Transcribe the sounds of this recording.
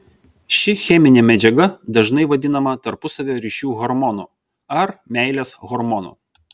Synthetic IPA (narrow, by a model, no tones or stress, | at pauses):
ʃʲɪxʲɛmʲɪnʲɛmʲɛd͡ʒʲɛɡɐd̪ɐʒnɐɪʋɐd̪ʲɪnɐmɐt̪ɐɾpʊsɐʋʲoːɾʲiʃʲuːɣɔɾmɔnṵːˑ | ɐɾmʲæˑɪlʲeːsɣɔɾmɔnṵːˑ